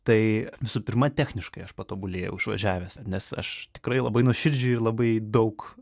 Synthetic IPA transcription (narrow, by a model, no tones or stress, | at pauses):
t̪ɐɪʋʲɪsuːpʲɪrmɐt̪ʲæːxʲnʲɪʃkɐɪɐʃpɐt̪oːbʊlʲeːjɛ̰ʊɪʃʋɐ̰ʒʲæːʋʲɛːsnʲɛsɐ̰ʃt̪ʲɪkɾɐɪlˠɐ̰bɐɪnuɔʃʲɪɾʲd͡ʒʲʊɪrlˠɐbɐɪd̪ɐʊk